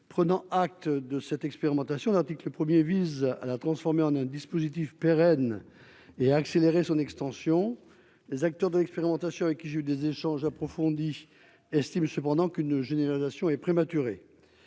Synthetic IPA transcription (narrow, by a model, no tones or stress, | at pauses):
pχənɑ̃ak̚t̪d̪əsɛt̪ɛkspeʁimɑ̃t̪asjɔ̃laʁt̪ikləpχəmjeviza̰lat̪χɑ̃sfɔʁmeɑ̃nɛ̃d̪ispozit̪̬ifpeʁɛn | eaːkseleʁesɔ̃nɛkst̪ɑ̃sjɔ̃ | lezak̚t̪œʁd̪əlɛkspeʁimɑ̃t̪asjɔ̃avɛkʲːiʒeyd̪ezeʃɑ̃ʒapχɔfɔ̃d̪i | ɛst̪imsəpɑ̃d̪ɑ̃kynʒeneʁalizasjɔ̃ɛpχemat̪yʁe